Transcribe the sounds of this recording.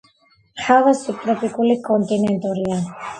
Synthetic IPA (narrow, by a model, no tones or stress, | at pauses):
xavasipɾɛpikulikɔnt̪inɛnt̪ɔɾia